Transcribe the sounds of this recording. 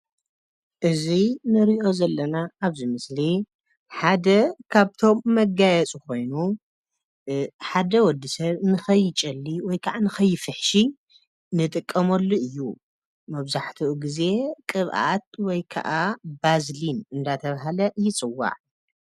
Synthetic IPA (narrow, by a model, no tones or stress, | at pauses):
ʔɨzinɨɾiʔo̞zɐlːɐnaːβzimɨsli | ħad̪ɐkʰaβt̪ʰo̞mːɐɡajɛt͡sʼuko̞jnu | ħad̪ɐwɔd̪ːisɐβnɨxɐjt͡ʃʼɐlːiwɔjkʰaʔanɨxɐjːɪfɨħʃi | nɨt̪ʼɨkʼːɐmɐlːoʔɨjːu | mɐβzaħt̪ʰuʔuɡize̞kʼɨβʔa̰t̪̚wɔjkʰa̰ʔabazlinɨnd̪at̪ʰɐβaɦalɐjɪt͡sʼɨwːa̰ʕ